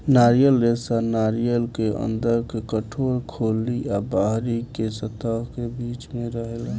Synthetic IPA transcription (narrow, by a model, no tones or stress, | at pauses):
naɾijəlːesanaɾijəlkeə̰nd̪əɾkekəʈʰoɾkʰoliabaɦɾikesət̪əɦkebit͡ʃmeɾəɦel